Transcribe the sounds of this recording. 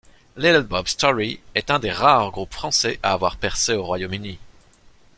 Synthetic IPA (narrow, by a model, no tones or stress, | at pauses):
lid̪lbɔbst̪ɔʁiɛt̪ɛ̃d̪eʁaʁɡʁupfχɑ̃sɛʔaːvwaʁpɛʁseoʁwajomyni